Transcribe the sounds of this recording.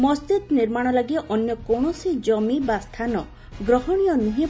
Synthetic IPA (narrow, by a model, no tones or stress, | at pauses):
mɔst͡ʃid̪niɾmaɽ̃ɔlaɡiʔɔnjɔkɔɳ̃ɔsid͡ʒɔmibast̪ʰanɔ | ɡɾɔɦɔɽ̃ijɔniɦĩ